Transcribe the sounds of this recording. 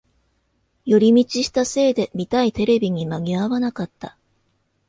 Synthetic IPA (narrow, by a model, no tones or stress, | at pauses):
jo̞ɾʲimʲit͡ɕiɕi̥t̪ase̞ːd̪e̞mʲit̪ait̪e̞ɾe̞bʲiɲ̟imaɡʲiaβanakat̪ːa